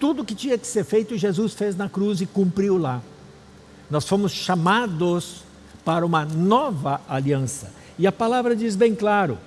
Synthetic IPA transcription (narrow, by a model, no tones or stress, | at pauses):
t̪ud̪ʊkɪt͡ʃĩɲɐkɪ̥seɾfejt̪ʊʒezusfeznɐkɾuzɪkũmpɾiwla | nɔsfõmʊsʃamad̪ʊs | paɾɐũmɐnɔvɐaliɐ̃sɐ̰ | ɪɐpalavɾɐd͡ʒizbẽj̃klaɾʊ̰